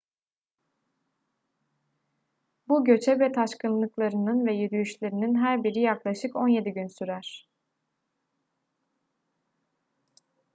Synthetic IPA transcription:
buɟø̞t͡ʃʰɛvɛt̪ʰaʃkɯnlˠɯklˠaɾɯnɯnvɛjyd̪yjyʃlʲeɾininɦæɾbiɾijaklˠaʃɯko̞nje̞d̪iɟynsyɾæɾ̥

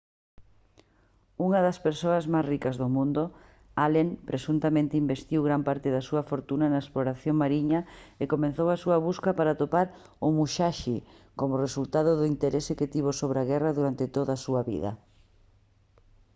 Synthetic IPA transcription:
uŋɐðɐspeɾsoɐzmajsrikɐzðʊmũnd̪ʊ | aleŋpɾʔesunt̪amẽnt̪ɪimbest̪iwɣɾampaɾt̪ɪðɐsuɐfoɾt̪unɐnɐesploɾaθjoŋmaɾiɲɐekomẽnθowɐsuɐβuskɐpaɾat̪opaɾ | ʊmuʃaʃi | komʊresult̪aðʊðʊint̪eɾʔeseket̪iβ̞osoβɾaɣɛrɐðuɾant̪ɪt̪oðɐːsuɐβḭðɐ̰

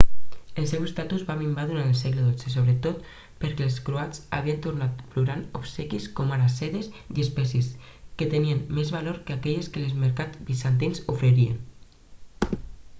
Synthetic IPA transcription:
elsɛwest̪at̪uzβamimbaðunanelsɛɣleðod͡zes̬oβɾet̪ot̪ | peɾkɛːlˠskɾoat͡sa̰βient̪uɾnat̪fluɾanopsɛkiskɔmaɾasɛðesiespɛsisket̪enienmːezβaloɾkeakɛʎeskelezmeɾkad͡zbisant̪̬inzufɾeɾiḛn

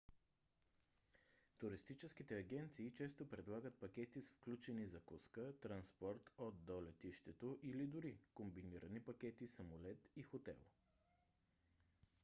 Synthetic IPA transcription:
t̪ʊɾist̪it͡ʃɛskit̪ɛɐɡʲɛnt̪siːt͡ʃɛst̪opɾɛd̪lˠaɡət̪̚pɐkʲɛt̪isfklʲut͡ʃɛnizɐkuskət̪ɾɐnspɔɾt̪od̪̚d̪olɛt̪iʃt̪ɛt̪oʔilid̪ʊɾikombiniɾənipɐkʲɛt̪isɐmolɛt̪ixot̪ɛ̰lˠ

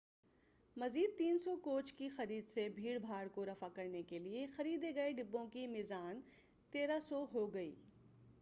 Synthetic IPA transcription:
mɐziːd̪̚t̪iːnsɔkoːt͡ʃkixɐɾiːd̪sebʱiːɽbʱaːɽkoɾɐfakɐɾnekeliexɐɾiːd̪eɡɐeɖɪbːõkimɪzaːn | t̪eːɾasɔɦoɡɐḭː

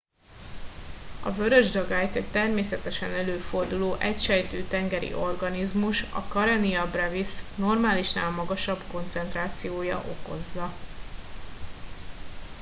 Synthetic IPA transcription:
ɒ̰vøɾøʒd̪ɒɡajt̪et̪ɛrmeːsɛt̪ɛʃɛnɛløːfo̞rd̪uloːʔɛcʃɛjt̪øːt̪ɛŋɡɛɾḭʔo̞rɡɒnizmuʃɒ̰kɒɾɛniɒbrɛvisno̞rmaːliʃnaːlmɒɡɒʃɒbko̞nt̪sɛnt̪raːt̪sijoːjɒ̰ʔo̞ko̞zːɒ

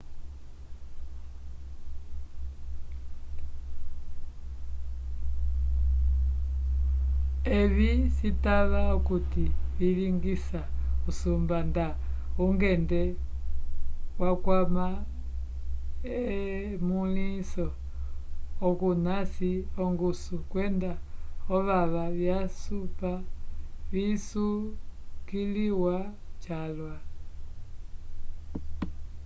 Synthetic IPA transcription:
eβisitaβaukutiβiliŋɡisausumbanda | uŋɡɛndɛ | wakwama | ɛ | mulisɔ | kunasiɔŋɡusukwɛndaɔβaβaβjasupa | βisukiliwa | t͡ʃalwa

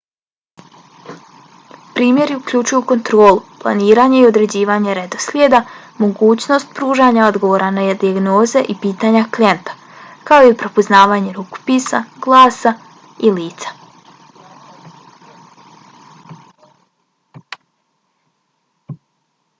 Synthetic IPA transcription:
pɾiːmje̞ɾiukʎut͡ʃujuko̞nt̪ɾo̞ːlˠuplˠa̰niːɾaːɲe̞io̞d̪ɾe̞d͡ʑiːʋaːɲeɾed̪o̞slʲjed̪a | mo̞ɡuːt͡ɕno̞st̪̚pɾuːʒaːɲao̞d̪ɡo̞ʋoːɾanajed̪iaɡno̞ːze̞ʔipiːt̪aɲaklient̪ḁ | kao̞ipɾo̞poznaːʋaːɲe̞ɾuko̥piːsaɡ̥lˠaːsa | iliːt̪sḁ

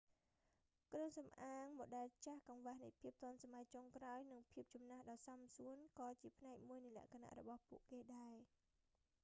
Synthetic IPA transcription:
kroəŋsɑmʔaːŋmoɗaɛlt͡ɕahkɑŋʋahnɨjpʰiəp̚t̪ŏənsamajt͡ɕoŋkraɔjnɨŋpʰiəp̚t͡ɕɑmnahɗɑːsɑmsuənkɑːt͡ɕiəpʰnaɛk̚muəjnɨjlɛ̆əʔkʰana̰ʔrɔ̰ɓɑhpuəʔkeːɗaɛ

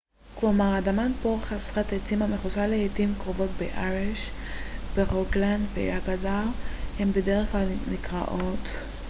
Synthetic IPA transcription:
klomaʁadamanpoʁχasχatetimameχuzaleetimkʁovo̞tbeʔaʁeʃ | b̥eʁoɡland̪vḛaɡadaʁhembedeʁeχklalnikʁa̰ʔo̞t̪

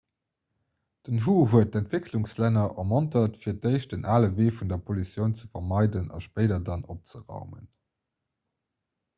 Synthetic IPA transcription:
d̥ənɦuːɦuət̚dæntv̥ekluŋslænɐʔəmɑntɐtfiːɐt̚dəɪʃdənaːləveːfundɐpʰolisjəʊnt͡səfɐmɑɪdənɑ̰ʃpəɪdɐdɑnop̚t͡səʁɑ̰ʊmə̰n

